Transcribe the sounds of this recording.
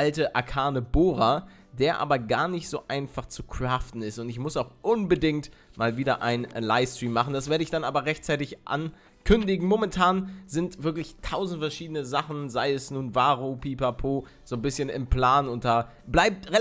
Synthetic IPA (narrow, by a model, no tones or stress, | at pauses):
altəʔakʰaːnəboːʁa | deːɐʔa̰ːbɐɡaːɐnɪçtz̥oːʔaɪnfaχt͡sukʁ̥aːftn̩ɪstʊntɪçmʊsaʊxʔʊnbədɪŋtmaːlviːdɐʔa̰ɪnnnlaɪfstʁ̥iːmːaχn̩d̥asv̥eːɐɾəɪçd̥anʔaːbɐʁɛçtt͡saɪtɪçʔa̰n | kʰʏndɪɡŋ̩momɛntʰaːnzɪntv̥ɪɐklɪçtʰaʊzn̩tfɛɐʃiːdənəzaχn̩zaɪɛsnuːnvaːʁopʰiːpapʰoː | z̥oːnbɪsçənɪ̰mpl̥aːnʊnt̚d̥aː | blaɪp̚tʁe